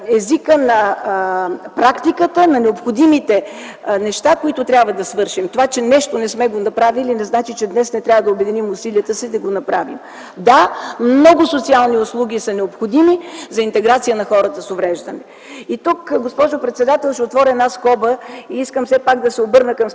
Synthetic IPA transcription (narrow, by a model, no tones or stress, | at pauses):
ɛzikənɐ | pɾakt̪ikət̪ənɐnɛopxod̪imit̪ɛ | nɛʃt̪akoit̪ʊt̪ɾʲabvəd̪ɐsvɤɾʃimt̪ovat͡ʃɛnɛʃt̪onɛsmɛɡonɐpɾavilinɛznat͡ʃit͡ʃɛd̪nɛsnɛt̪ɾʲavəd̪ɐobɛd̪inimʊsiliət̪əsid̪ɐɡonɐpɾavḭm | d̪amnɔɡʊsʊt̪sialˠniʊslˠuɡ̟ʲisɐnɛopxod̪imizɐint̪ɛɡɾat̪sijənɐxɔɾət̪əsovɾɛʒd̪ɐnɛ | it̪ukɡospɔʒʊpɾɛt̪sɛd̪at̪ɛlˠʃɛot̪vɔɾʲɛnaskɔbəiiskəmsɛpaɡ̚d̪ɐsɛobɤɾnəkɐm